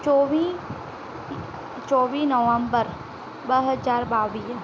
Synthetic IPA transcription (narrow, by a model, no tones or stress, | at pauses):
t͡ʃoʋi | t͡ʃɔːʋiːnəʋəmbəɾ | bəɦəzaːɾbaːʋiː